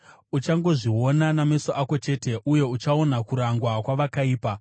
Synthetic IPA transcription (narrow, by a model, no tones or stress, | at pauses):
ut͡ʃaŋɡo̞ʐio̞naname̞soʔako̞t͡ʃe̞ːte̞ʔuje̞ut͡ʃaonakuɾaŋɡwakwaʋakaiːpa